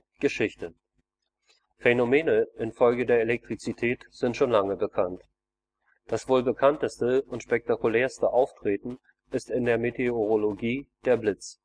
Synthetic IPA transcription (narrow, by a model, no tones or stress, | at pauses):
ɡ̥əʃɪçtə | fenomeːnəʔɪnfɔlɡədeːɐelɛk̚tʁ̥it͡sitʰɛːtz̥ɪntʃoːnlaŋəbəkʰant | d̥asv̥oːlbəkʰantəstəʊntʃpɛk̚takulɛːɐstəʔaʊftʁ̥eːtn̩ | ʔɪstɪndeːɐmetʰeoʁ̞oloɡiːd̥eːɐblɪt͡s